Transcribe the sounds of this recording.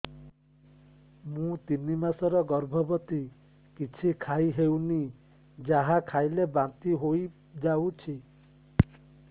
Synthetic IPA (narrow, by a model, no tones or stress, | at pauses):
mũt̪inimasɔɾɔɡɔɾbʱɔbɔt̪i | kit͡ʃʰikʰajɦewni | d͡ʒaɦakʰajlebant̪iɦoj | d͡ʒawt͡ʃʰi